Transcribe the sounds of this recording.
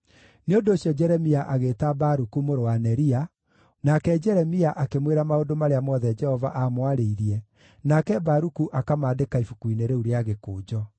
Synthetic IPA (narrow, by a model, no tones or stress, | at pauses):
neondooɕjɔd͡ʒɛɾɛmiaʔaɣeːtabaɾukumoɾowanɛɾia | nakɛd͡ʒɛɾɛmiaʔakemweɾamaodomaɾeamɔðɛd͡ʒɛhɔvaʔamwaɾeiɾiɛ | nakɛbaɾukuʔakamaːdekaifukwineɾeuɾeaɣekoːd͡ʒɔ